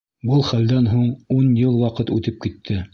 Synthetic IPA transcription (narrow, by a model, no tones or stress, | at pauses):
bɤlˠχæld̪ænɦuɴunjɤlˠwɑqɤt̪ʉt̪ɘp̚kit̪ʰːɘ